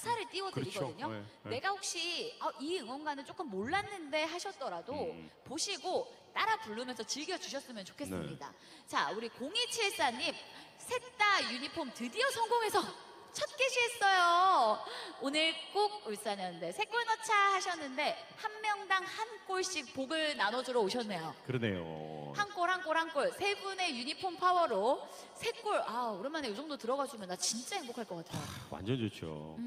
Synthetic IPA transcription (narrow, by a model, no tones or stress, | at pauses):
sʰaɾɯɭt͈iwʌdɯɾiɡʌdɯɲone̞ɡahok̚ɕ͈iʌiɯŋwʌnɡanɯɭt͡ɕ͈ok͈ɯmːoɭːanːɯnde̞ɦaɕʰʌt̚t͈ʌɾadopoɕʰiɡot͈aɾapuɭːɯmjʌnsʰʌt͡ɕiɭɡjʌd͡ʑuɕʰʌs͈ɯmjʌnt͡ɕokʰe̞s͈ɯmɲida̰ | t͡ɕauɾikoŋit͡ɕʰiɭs͈aɲːim | sʰe̞k̚t͈ajuɲipʰomtɯdiʌsʰʌŋɡoŋe̞sʰʌ | t͡ɕʰʌt̚k͈eɕʰies͈ʌjo | onɯɭk͈oɡ̚uɭs͈aɲʌnɯnde̞sʰe̞k͈oɭnʌt͡ɕʰahaɕʰʌnːɯnde̞hanmjʌŋdaŋhank͈oɭɕ͈ik̚poɡɯɭnanod͡ʑuɾooɕʰʌnːe̞jokɯɾʌne̞̰jo̰hank͈oɭhank͈oɭhank͈oɭsʰe̞bune̞juɲipʰompʰawʌɾo | sʰe̞k͈oɭauɾimanejod͡ʑʌŋdotɯɾʌɡad͡ʑumjʌndat͡ɕint͡ɕ͈aɦeŋɡokʰaɭk͈ʌk͈atʰejo̰wa̰nd͡ʑʌnd͡ʑot͡ɕʰo̰